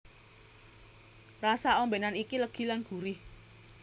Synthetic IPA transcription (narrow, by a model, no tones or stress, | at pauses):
rasaɔmbenanikiləɡ̥i̤lanɡ̥ṳɾɪh